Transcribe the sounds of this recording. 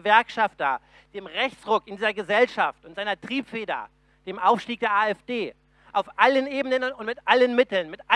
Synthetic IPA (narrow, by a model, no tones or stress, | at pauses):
vɛɐkʃafta | d̥eːmʁɛçt͡sʁʊkɪndiːzɐɡəzɛlʃaftʊntz̥aɪnɐtʁ̥iːpfeːdɐ̰ | d̥eːmʔaʊfʃtiːk̚d̥eːɐʔaːɛfd̥eː | ʔaʊfʔalənʔeːbənənnʊntmɪtʔalənmɪtl̩nmɪtʔa